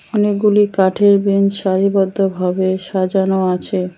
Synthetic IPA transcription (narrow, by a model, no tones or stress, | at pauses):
ɔnek̚ɡulikaʈʰeɾbinʃaɾibɔd̪ʱːobʱabeʃad͡ʑanoat͡ɕʰe